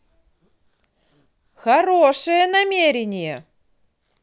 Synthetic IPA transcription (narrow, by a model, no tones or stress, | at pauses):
xaɾoʂɨjenamʲeɾʲenʲije